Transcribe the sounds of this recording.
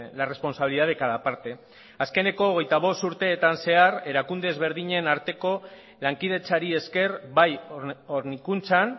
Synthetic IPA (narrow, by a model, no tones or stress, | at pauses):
lare̞spo̞nsaβiliðaðekaðapaɾt̪e̞ | aske̞ne̞ko̞ːɣ̞e̞jt̪aβ̞o̞st̪uɾt̪e̞ːt̪anse̞are̞ɾakund̪e̞ːzβe̞ɾð̞iɲe̞naɾt̪e̞ko̞ | laŋkið̞e̞t͡saɾie̞ske̞ɾbajoɾnikunt͡san